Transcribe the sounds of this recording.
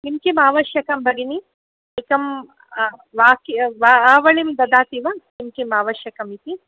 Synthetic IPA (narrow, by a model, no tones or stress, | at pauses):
nimkimaːʋɐʃjɐkɐmbʱɐɡini | eːkɐm | ʋaːkʋaːʋɐɭimd̪ɐd̪aːt̪iʋɐnimkimaːʋɐʃjɐkɐmit̪i